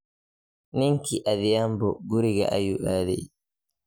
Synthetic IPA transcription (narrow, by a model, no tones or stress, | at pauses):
niŋkiʔaðijambɔɡuɾiɡa̰ʔajuʔaːdɛ̰